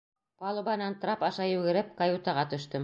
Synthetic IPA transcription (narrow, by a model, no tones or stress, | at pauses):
pɑlˠubɑnɑnt̪ɾɑpɑʃɑjʉɡɘ̆ɾɘp̚kajut̪ɑʁɑt̪ɵ̆ʃt̪ɵm